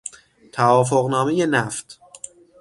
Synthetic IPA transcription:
t̪ʰævɒːf̬oɣnɒːme̞je̞næft̪

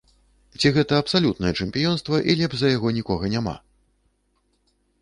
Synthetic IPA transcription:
t͡sʲiɣɛt̪ɐːpsalʲut̪nɐjɛt͡ʂɛmʲpʲijɔnst̪vɐʔilʲɛbʐzɐjaɣɔnʲikɔɣɐnʲama̰

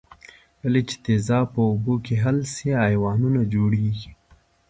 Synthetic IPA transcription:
walet͡ʃe̥t̪ezɑpəʊbokeɦalseajwɑnunad͡ʒoɽeɡi̥

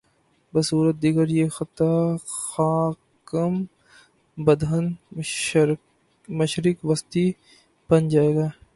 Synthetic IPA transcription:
bɐsuːɾət̪̚d̪iɡəɾjexɐt̪axaː | kəm | bɐd̪ʱən | mɐʃɾɪkʋɐst̪i | b̥ɐnd͡ʒaːeːɡaː

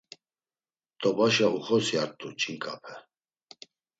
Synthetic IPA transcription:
d̪ʼɔbaʃauχɔsjaɾt̪ʼut͡ʃʼiŋkʼapʰɛ

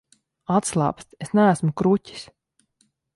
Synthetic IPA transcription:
at̪slˠa̰ːpst̪esnæːsmukɾutʲi̥s

